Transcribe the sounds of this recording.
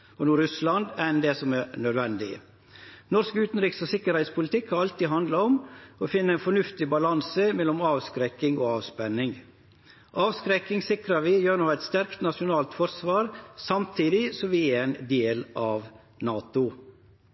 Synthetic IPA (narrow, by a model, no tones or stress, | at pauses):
ɔnuːɾʉslɑnd̪ænd̪ɛsɔmæɾnœd̪ʋɛnd̪ɪə̰ | nɔɾskʉːt̪n̩ɾɪːksɔsɪkːəɾhɛɪt̪spʰʊlɪt̪ʰɪkːhɑɾɑlt̪iːɦɑnd̪lɑɔmɔfɪnːəɛɪnfɔɳʉft̪ɪbɑlɑnsəmɛlːɔmɑːʋskɾɛkːɪŋoːɑːʋspɛnːɪŋ | ʔɑːʋskɾɛkːɪŋsɪkɾɑʋɪjøːɾnɔæɪt̪st̪æɾkt̪nɑʂɪʊnɑːlt̪fɔɾsʋɑːɾsɑmt̪ʰiːd̪ɪsɔmʋɪæɾɛnd̪eːlʔɑːʋ | nɑːt̪ʊ